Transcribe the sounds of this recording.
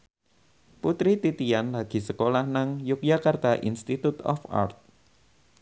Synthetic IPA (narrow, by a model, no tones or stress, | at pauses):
put̪ɾit̪it̪ianlaɡ̥i̤səkolahnaŋjʊk̚jakart̪aʔḭnst̪it̪ut̪ɔ̰fa̰rt̪̚